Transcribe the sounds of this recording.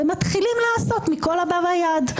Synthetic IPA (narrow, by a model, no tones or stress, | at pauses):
emat̪χilimlaːso̞t̪mikolabavajad̪